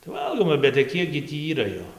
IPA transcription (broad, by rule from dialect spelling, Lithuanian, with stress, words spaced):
tɐɪ ˈʋɐlˠɡoːmɐ bʲɛt tɐɪ ˈkʲiɛk ɡʲɪ ˈtʲiː ˈiːrɐ ˈjoː